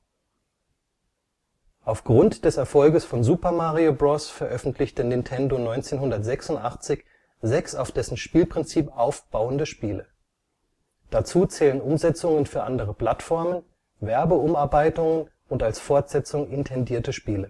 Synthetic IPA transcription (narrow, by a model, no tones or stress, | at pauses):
ʔaʊfɡ̥ʁʊntd̥ɛsɛɐfɔlɡəsfɔnzuːpɐmaʁiobʁɔsfɛɐʔœfn̩tʰlɪçtənɪntʰɛndonɔʏnt͡seːnɦʊndɐtz̥ɛksʊntʔaχt͡sɪç | zɛksaʊfd̥ɛsn̩ʃpiːlpʁ̥ɪnt͡siːpʔaʊfb̥aʊəndəʃpiːlə | d̥at͡suːt͡sɛːlənʊmzɛt͡sʊŋənfyːɐʔandəʁəpl̥atfɔɐmən | vɛɐbəʊmaɐbaɪtʊŋən | ʊntalsfɔɐtz̥ɛt͡sʊŋʔɪntʰɛndiːɐtəʃpiːlə